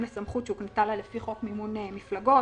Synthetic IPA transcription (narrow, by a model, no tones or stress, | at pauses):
mlasamχutt͡ʃeuknet̪alalefiχo̞kmimunemiflaɡo̞